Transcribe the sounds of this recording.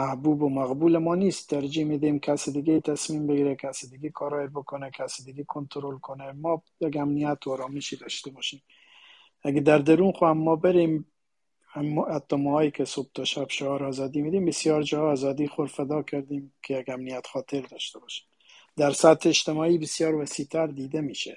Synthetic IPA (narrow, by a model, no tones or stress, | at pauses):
mæhbubomæɣbuːlemɔːnist̪ːæɾd͡ʒimid̪emkʰæsid̪ɪɡet̪ʰæsmimbeɡiɾɛkʰæsid̪ɪɡekʰɔːɾɑːeɾbokʰonɛkʰæsid̪ɪɡekʰont̪ʰɾolkʰonɛmɔː | jeɡæmnijat̪ʰɔːɾɑːmiʃid̪ɒʃt̪ebɔʃim | æɡed̪æɾd̪æɾunxoamːɔbeɾim | æhæt̪ːɒːmɒːhɒːjikʰesob̚t̪ʰɒʃæbʃoɒːɾːzɒːd̪iːmid̪iːmbesjɒːɾd͡ʒɒːæːzɒːd̪iːxoɾfæd̪ɒːkʰæɾd̪iːmkʰejeɡæmnijæt̪xɒːt̪ʰeɾd̪ɒːʃt̪ebɒːʃi̥ːm | d̪æɾsæt̪ʰːeːt͡ʃt̪emɒːiːbesjɒːɾvæsit̪ʰæɾd̪iːd̪emiːʃe